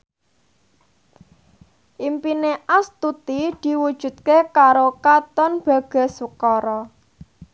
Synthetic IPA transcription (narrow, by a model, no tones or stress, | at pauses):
ʔimpineʔast̪ut̪id̪̥i̤wud̥ʒ̥ṳt̪̚kekaɾokat̪ɔnb̥ä̤ɡ̥a̤sukɔɾɔ